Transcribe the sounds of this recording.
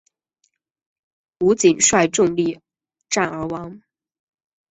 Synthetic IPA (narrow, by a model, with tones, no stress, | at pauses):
u˧˥t͡ɕi˨˩nʂwa˥˧ɪʈ͡ʂʊ˥˧ŋli˥˩ | ʈ͡ʂa˥˩nə˞˧˥wɑ˧˥ŋ